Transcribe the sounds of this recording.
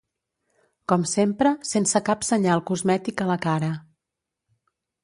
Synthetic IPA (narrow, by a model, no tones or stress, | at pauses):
kɔmsempɾəsensəkapsəɲalˠkuzmɛt̪ikələkaɾə